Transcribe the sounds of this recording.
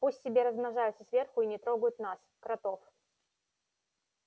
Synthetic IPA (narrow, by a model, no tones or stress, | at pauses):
pusʲtʲːɪbʲeɾəzmnɐʐajʊt̪səsvʲe̞rxʊinʲɪt̪ɾo̞ɡʊjʊt̪naskɾɐt̪o̞f